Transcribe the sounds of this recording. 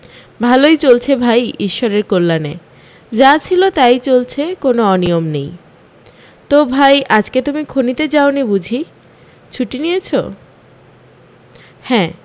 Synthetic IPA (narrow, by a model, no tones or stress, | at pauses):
bʱalojt͡ɕolt͡ɕʰebʱajiʃːɔɾeɾkolːane | d͡ʑat͡ɕʰilot̪ajt͡ɕolt͡ɕʰekonoɔniomnej | t̪obʱajʔad͡ʑket̪umikʰonit̪ed͡ʑaonibud͡ʑʱi | t͡ɕʰuʈinijet͡ɕʰo̰ | hɛ̃ː